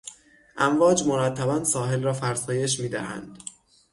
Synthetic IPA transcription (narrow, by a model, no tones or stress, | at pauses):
ʔæɱvɒːd͡ʒmoɾæt̪ʰːæbænsɒːɦe̞lɾɒːfæɾsɒːje̞ʃ̬miːd̪æ̰hæ̰nd̪̥